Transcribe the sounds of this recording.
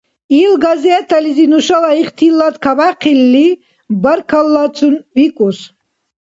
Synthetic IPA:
ilɡazɛt̪ʰalizinuʃalaiχt̪ʰilːad̪kʰabaqʰilːi | baɾkʰalːat͡sʰunvikʼus

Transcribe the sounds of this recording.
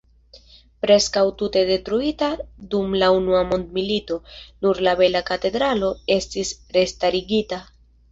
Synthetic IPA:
pɾe̞skawtute̞de̞tɾuitadumlaunuamo̞nd̪milito̞nuɾlabe̞lakate̞d̪ɾalo̞e̞stisɾe̞staɾiɡita

